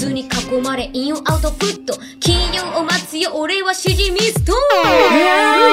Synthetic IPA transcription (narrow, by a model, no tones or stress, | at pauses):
ɨːɲ̟ikako̞maɾe̞ʔĩõʔaɯ̟t̪o̞ɸɯ̟t̪ːo | kʲĩɰ̃jõŋomat͡sɨjoʔoɾe̞βaɕiɾʲimʲist̪o